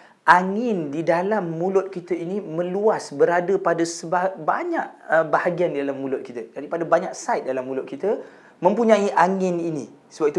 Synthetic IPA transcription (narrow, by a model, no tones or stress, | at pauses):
ʔaŋɪndidalamːũlʊt̪̚kit̪əinimə̃luasbəɾadəpadasəbabaɲaʔ̚əbahaɡiandidalamːulʊt̪̚kit̪əd͡ʒadipadabaɲak̚sajt̪̚dalamːulʊt̪̚kit̪ə | mə̃mpuɲãiʔaŋɪninĩ | səbap̚it̪u